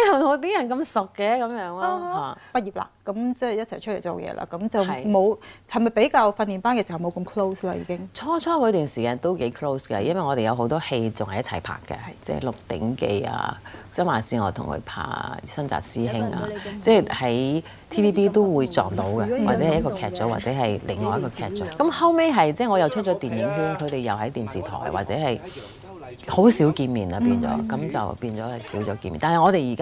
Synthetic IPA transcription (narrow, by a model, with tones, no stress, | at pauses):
ɐ˨o˨˧˥t̪iː˥jɐ˨˩nkɐ˧msʊ˨kːɛ˧kɐ˨˦mjœː˨˧˥ŋlaː˧˨˧aː˨˩pɐ˧˥t̚jiː˨˩pla̰ː˧kɐ˨˥mt͡sɛː˥˩jɐ˥t̚t͡sʰɐ˨˩jt͡ʃʰtle˨˩jt͡so˨wjɛ̰ː˧lʔa̰ː˧˩kɐ˨˥mt͡sɐ˨wmo˨˧whɐ˨˩jmɐ˨jpe˨˥jkaː˧wfɐ˧nːi˨npaː˥nkɛː˧si˨˩hm˨˧wkɐ˧mkʰlo˥wsla̰ː˧jiː˧kɪ˥ŋt͡sʰɔː˥t͡sʰɔː˥kɔː˨˧t̪yː˨nsiː˨kaː˧nt̪o˥wke˨˥jkʰlo˥wskɛ˧jɐ˥nwɐ˨jŋɔː˨˧ɾe˨jɐ˨˧wɦo˨˥wt̪ɔː˥he˧jt͡sʊ˨ŋhɐ˨˩jɐ˥t̚t͡sʰɐ˨˩jpʰa̰ː˨kːɛ̰˧t͡sɛ̰ː˥˩lʊ˨k̚t̪ɪ̰˨˥ŋke˧ja̰ː˧t͡sɐ˥maː˨˩siː˧ŋɔː˨˧t̪ʰʊ̰˨˩ŋkʰɵ̰˧ɥpʰa̰ː˧˩sɐ˥nt͡sa̰ː˨˩k̚siː˥ɦɪ˥ŋa̰ː˧t͡sɛː˥˩hɐ˨˥j | t̪ʰiː˥piː˥piː˥t̪o˥wwuː˨˧jt͡sɔː˨ŋt̪o˨˥wɡɐ˧aː˨t͡sɛː˨˧˥ɐ˨jɐ˥kɔː˧kʰɛː˧˥t̚t͡ʃo˨˥wa̰ː˨t̚t͡sɛː˨˥ɦɐ˨jlɪ˨˩ŋːɔː˨jɐ˥tkɔː˧kʰɛː˧˩t̚t͡ʃɔ˨˥kɐ˨˥mhɐ˥wme˥jɦɐ˨jt͡sɛː˥˩ŋɔ˨˧jɐ˨˩wt͡ʃʰɵ˥t̚t͡ʃɔː˨˥t̪iː˨˩njɪ˨˥ŋɦyː˥nkʰɵ˧t̪e˨jɐ˨wɦɐ˨˥jt̪iː˨˩nsiː˨˩t̪ʰɔ̰ː˨˩jwa̰ː˨t̚t͡sɛ̰ː˨˥hɐ˨j | ho˨˥wsi˨˥wkiː˧nmiː˨nɐ˧piː˧nt͡sɔ̰ː˨˥kɐ˨˥mt͡sɐ̰˨wpiː˧nt͡sɔː˨˥hɐ˨jsiː˨˥wt͡sɔː˨˧˥kiː˧nmiː˨naː˨˩nhŋɔː˨˧ɾe˨jiː˨˩ka˥